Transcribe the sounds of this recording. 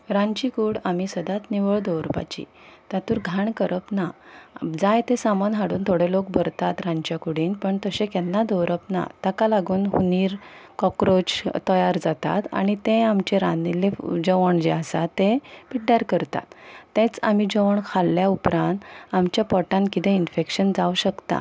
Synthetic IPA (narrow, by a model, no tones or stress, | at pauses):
ɾãɲt͡ɕikuɽamisəd̪at̪niʋəɭd̪ɔwɾpa̰t͡ɕḭ | t̪at̪uːɾɡʱaɳkəɾʔəpnad͡zajt̪ẽsamanɦaɽuːnt̪ʰoɽelok̚bʱəɾt̪at̪ɾãɲt͡ɕjakuɽiːnpəɳt̪əsẽkɛnːad̪ɔwɾəpna̰t̪akalaɡuːnɦṵniːɾkɔkɾot͡ɕt̪əjaɾd͡zat̪a̰t̪a̰ɽ̃it̪ẽamt͡ɕeɾaniled͡ʑəʋəɳd͡ʑeasa̰t̪ːẽpiʈɖaɾkəɾt̪a̰t̪ːẽt͡sam̤id͡ʑəʋəɳkʰalːjaupɾãnt̪amt͡ɕjapɔʈãnkit̪ẽinfekɕənd͡zauɕəkt̪a̰